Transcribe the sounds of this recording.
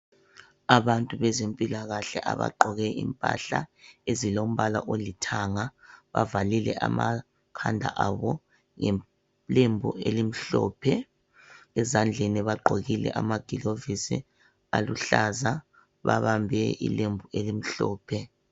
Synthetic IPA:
aβantʼuβɛzempʼilaɣaɬɛʔa̰βa̰ǃʱɔɣɛḭmpʼa̰ɬaezilom̩βalaʔolitʰaŋaβavalilɛʔama | kʰandʱa̰ʔaβɔ | ŋɛ | lembʱuelim̩ɬɔːpʰɛ | ɛzand͡ɮʱeniβaɡ͡ǃʱoɣilɛ̰ʔamaɡ̥ʱilovisḭ | aluɬaza | βa̰βambʱɛḭlembʱuelim̩ɬɔːpʰɛ

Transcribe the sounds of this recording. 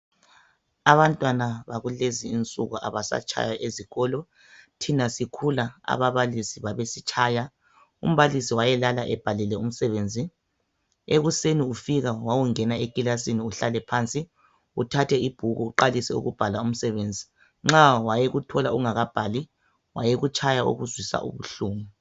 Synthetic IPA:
aβantʼwanaβaɣuleziːnt͡sʼuɣuʔa̰βasa̰t͡ʃʰʼa̰jaʔeziɣɔːlɔ | tʰinasikʰulaa̰βaβalisiβaβesit͡ʃʰʼaːja | ṵm̩βalisiwajɛlalaʔɛb̥ʱalilɛum̩sɛβeːnd͡zʱi | eɣuseniufiɣawawuŋɛnaekʼilasiniuɬalɛpʰant͡sʼi | utʰatʰɛib̥ʱuɣuuǃalisɛṵɣub̥ʱalaum̩sɛβend͡zʱi | ŋ͡ǁawajeɣutʰɔlauuŋaɣab̥ʱali | wajeɣut͡ʃʼʰajaṵɣuzwisa̰ʔṵβuɬuːmu

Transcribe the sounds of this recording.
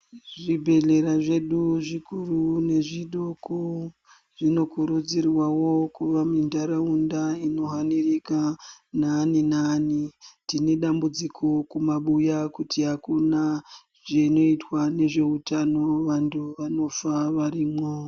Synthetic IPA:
ʐibʱe̞ɮe̞ɾaʐe̞ɗuʐikurune̞ʐiɗoku | ʐino̞kuɾud͡zirwawo̞kuʋamindaɾaundaino̞ɦanirikananinaːnitine̞ɗambud͡zikʰo̞kumaɓujakutiɦakuna | ʐeno̞itwane̞ʐe̞utano̞ʋantʰuʋano̞faʋarimo

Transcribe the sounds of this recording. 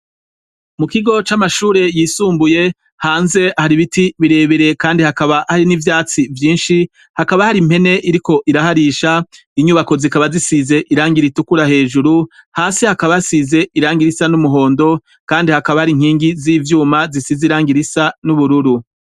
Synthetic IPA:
mukiɡo̞t͡ʃamaʃuːɾe̞jiːsuːmbuje̞ | haːnze̞ahaɾiβitiβiɾe̞ːβeɾe̞kaːndihakaβahaɾinivjaːt͡sivjiːnʃi | hakaβahaɾim̥e̞ne̞ʔiɾiko̞ʔiɾahaɾiʃa | iɲuβako̞zikaβazisize̞ʔiɾaːŋɡiɾitukuɾahe̞ːʒuɾuhaːsihakaβasize̞ʔiɾaːŋɡiɾisanumuɦo̞ːndo̞ | kaːndihakaβahaɾiŋ̥hiːŋɡiziːvjuːmazisiziɾaːŋɡiɾisanuβuɾuɾu

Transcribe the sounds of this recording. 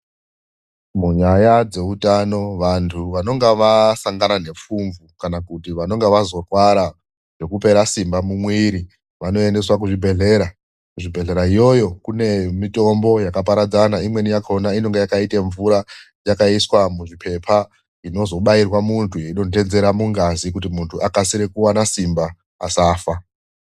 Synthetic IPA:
muɲajad͡ze̞utano̞ʋantʰuʋano̞ŋɡeʋasaŋɡanane̞p͡fuɱvukanakutiʋano̞ŋɡeʋazo̞rwaɾa | ʐe̞kupe̞ɾasimbamumwiːɾi | ʋano̞e̞nde̞swak̬uʐibʱe̞ɮe̞ɾa | kuʐibʱe̞ɮe̞ɾaijo̞jo̞kune̞mito̞mbo̞jakap̬aɾad͡zanaimwenijakaonaino̞ŋɡejakaiteɱvuɾa | jakaiswamuʐipʰe̞pʰa | ino̞zo̞ɓairwamuntʰujeiɗo̞te̞nze̞ɾamuŋɡazikutimuntʰuʔakasiɾekuwanasimbaː | saːfa

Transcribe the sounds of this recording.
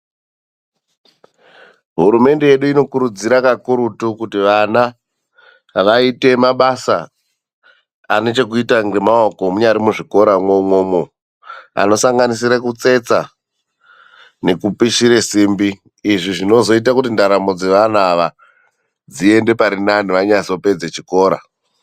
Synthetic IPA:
ɦuɾume̞nde̞jeɗuino̞kuɾud͡ziɾakakuɾutukutiʋana | ʋaite̞maɓasa | ane̞t͡ʃe̞kuitaŋɡe̞maoko̞muɲaɾimuʐiko̞ɾamwomwoːmo | a̰no̞saŋɡanisiɾekut͡se̞t͡sa | ne̞kupiʃiɾesiːmbiː | ʐiʐino̞zo̞it̬akutindaɾamo̞d͡ze̞ʋanaʋa | d͡zie̞nde̞paɾinaniʋaɲaso̞pe̞d͡zet͡ʃiko̞ːɾa̰

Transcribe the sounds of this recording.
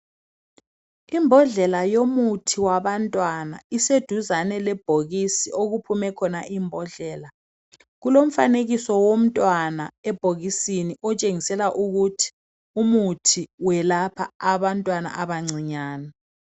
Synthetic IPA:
imbʱɔɮɛlajomutʰiwaβantʼwana̰ised̥ʱuzanɛlɛb̥ʱoɣisioɣupʰumɛkʰɔnaʔimbʱɔɮɛːla | ɣulom̩faneɣisɔwom̩tʼwanaɛb̥ʱoɣisiniʔɔt͡ʃʼeŋisɛlaʔuɣutʰi̥ | umutʰiwɛlapʰa̰aβantʼwana̰ʔaβaŋ͡ǀʱiɲaːnɛ

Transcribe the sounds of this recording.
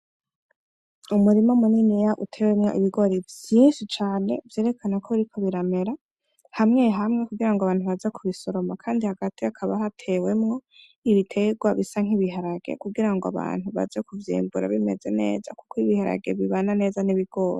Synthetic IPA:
umuɾimaumuninijaʔutʰe̞wemŋo̞̰iβiɡo̞ɾevjiːnʃit͡ʃaːne̞̰vjeːɾe̞kʰanakʰoɾikʰo̞βiɾame̞ɾa | hamŋe̞ɦamŋe̞kuɡiɾaŋɡoaβaːn̥huβazekʰuβiso̞ɾo̞makʰaːndihaɡatiakʰaβaɦatʰe̞we̞mŋo̞ | iβitʰe̞ɡwaβisaŋ̥hiβiɦaɾaɡḛkuɡiɾaŋɡoa̰βa̰ːn̥huβa̰zekuvjḭːmbuɾa̰βime̞ze̞ne̞̰ːzaku̥koiβihaɾa̰ɡe̞βiβanane̞ːzaniβiɡ̥o̞ɾe

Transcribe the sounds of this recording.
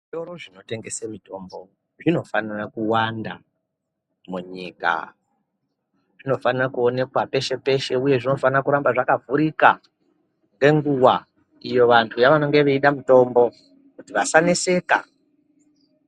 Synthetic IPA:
ioɾoʐino̞te̞ŋɡe̞semito̞ːmbo̞ | ʐino̞fanirakuwanda̰ | muɲiːka̰ | ʐ̥ino̞fanirakuone̞kwape̞ʃe̞pe̞ʃe̞uje̞ʐino̞fanirakuɾambaʐakavuɾika | ŋɡe̞ŋɡuwa | ijo̞ʋantʰujaʋano̞ŋɡe̞ʋeiɗamuto̞mbo̞ | kutiʋasanese̞ːka̰

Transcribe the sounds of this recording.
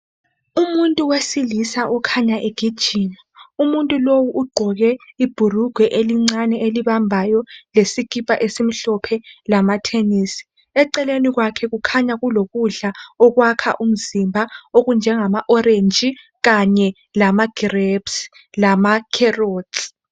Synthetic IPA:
umuntʼuwesilisaʔɔkʰaɲaʔeɡ̥ʱid̥ʒ̥ʱiːna | umuntʼulowuʔːɡ͡ǃʱɔɣɛib̥ʱuruɡ̥ʱwɛʔeliŋ͡ǀanɛʔeliβambʱajɔlesikʼipʼaʔesim̩ɬɔpʰɛlamatʰeniːsi̥ | ɛǃɛleniɣwakʰɛɣukʰaɲaɣuloɣuɮaɔɣwakʰa̰ʔum̩zimbʱaoɣund͡ʒʱɛŋamaʔɔrend͡ʒʱi | ɣaɲɛ | lamaɡ̥irebs | lamakʰɛroːd

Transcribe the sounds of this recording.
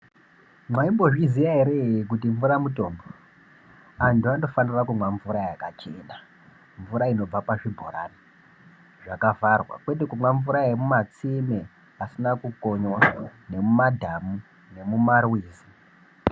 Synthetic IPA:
mwaimbo̞ʐizijaɦeɾe̞ik̬utiɱvuɾamuto̞ːmbo | antuando̞fanirakumwaɱvuɾajakat͡ʃe̞̰nda | ɱvuɾaino̞b͡vapaʐibʱo̰ɾa̰ni | ʐakavarwa̰kwe̞t̬ekumwaɱvuɾaemumat͡sime | asinakukoɲone̞mumadʱamu | ne̞mumarwiːzi

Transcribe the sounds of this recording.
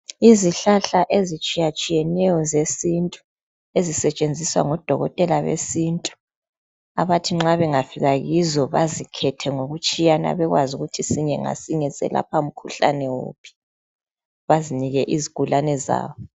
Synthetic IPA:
iziɬaɬaʔezit͡ʃʼijat͡ʃʼijɛnɛjɔzesintʼu̥ | ezisɛt͡ʃʼend͡zʱiswa̰ŋɔd̥ʱɔɣɔtʼɛlaβḛsintʼu̥ | aβatʰiŋ͡ǁaβɛŋafiɣaɣizɔβa̰zikʰɛtʰɛŋoɣut͡ʃʼijana̰βɛɣwazuɣutʰisiɲɛŋa̰siŋɛsɛ̰la̰pʰaum̩kʰuɬa̰nɛwo̰ːpʰi̥ | βaziniɣɛʔiziɡ̥ʱulanɛza̰ːβɔ

